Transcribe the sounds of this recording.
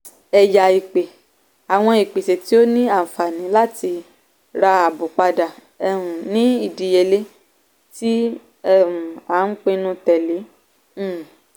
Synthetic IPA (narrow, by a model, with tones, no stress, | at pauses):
ɛ˨ja˨i˨k͡pe˨ | a˨w̃ɔ̃˧i˨k͡pe˨se˨ti˦o˦nĩ˦a˦˨fa˨nĩ˨˦la˦ti˧ | ɾa˧a˨bu˨k͡pa˧da˨ | ɛ˧˨ɾũ˨nĩ˦i˦˨di˨je˧˨le˦ | ti˦ | ɛ˦ũ˨a˨˦n̩˦k͡pẽ˧nũ˧tɛ˨li˨˦˨